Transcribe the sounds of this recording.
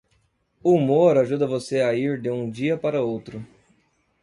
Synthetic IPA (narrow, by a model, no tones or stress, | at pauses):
uumoɾaʒud̪ɐvoseɐiɾd̪ɪũd͡ʒiɐpaɾɐowt̪ɾʊ